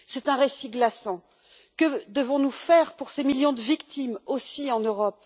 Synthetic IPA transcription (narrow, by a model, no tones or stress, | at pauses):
sɛt̪ɛ̃ʁesiɡlasɑ̃ | kəd̪əvɔ̃nufɛʁpuʁsemiljɔ̃d̪əvikt̪ʰimosiɑ̃nøʁɔp